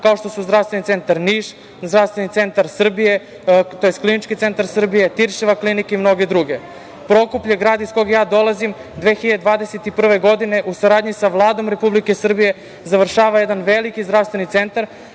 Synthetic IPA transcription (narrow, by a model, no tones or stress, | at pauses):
kao̞ʃt̪o̞suzd̪ɾafst̪ʋenit̪se̞nt̪aɾniːʃ | zd̪ɾaʋst̪ʋenit̪se̞nt̪aɾsr̩bije | t̪ojest̪klinit͡ʃkit̪se̞nt̪aɾsr̩bije̞t̪iɾʃiʋaklinikeimno̞ɡe̞d̪ɾuɡe̞ | pɾo̞kupʎeɡɾaːd̪isko̞ɡajaːd̪o̞lˠazim | d̪eːxiʎad̪d̪vʋaːd̪eset̪ipr̩ʋe̞ɡo̞d̪ine̞ʔusaɾaːd̪ɲisaʋlˠaːd̪o̞mɾe̞publike̞sr̩bije̞ | zaʋr̩ʃaːʋajed̪anʋelikizd̪ɾaʋst̪ʋenit̪se̞nt̪aɾ